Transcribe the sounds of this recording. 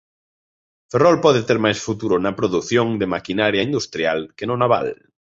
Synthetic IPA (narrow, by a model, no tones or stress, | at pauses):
ferɔlpɔðɪt̪eɾmajsfut̪uɾʊnɐpɾoðuθjoŋd̪emakinaɾjaind̪ust̪ɾjalkenʊnaβa̰l